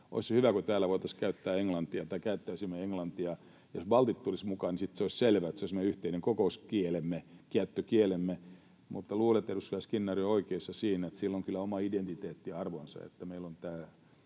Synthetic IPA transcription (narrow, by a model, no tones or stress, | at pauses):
ʔo̰ishyʋækot̪æːlːæʋoit̪ɑskæyt̪ːæːeŋlɑnt̪iɑt̪ɑikæyt̪ːæysimːeeŋlɑnt̪iɑ | josbɑlt̪it̪tulismukɑːnisit̪seoˑisselʋæet̪seoˑismeyht̪eineŋkokouskielemːekiæt̪ːøkielemːe | mut̪ːɑluːlet̪ːeruskyæskinːɑrioikeisːɑsiːnet̪silːoŋkylːæomɑident̪it̪eːt̪ːiɑɑrʋonsɑ̰ḛt̪ːæmeilont̪æː